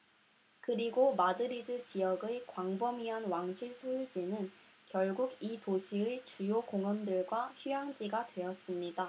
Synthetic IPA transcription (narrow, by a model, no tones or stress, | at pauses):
kɯɾiɡomadɯɾidɯt͡ɕijʌɡɯkwaŋbʌmiʌnwaŋɕʰiɭsʰojud͡ʑinɯn | kjʌɭɡuɡitoɕʰiɯt͡ɕujokoŋʌndɯɭɡwaçujaŋd͡ʑiɡadwe̞ʌs͈ɯmɲida